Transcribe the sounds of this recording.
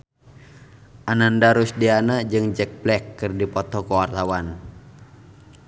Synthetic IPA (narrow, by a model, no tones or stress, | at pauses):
ʔanandaɾusdianad͡ʒɨŋd͡ʒɛk̚blɛkːɨrdipɔt̪ɔkɔwart̪awan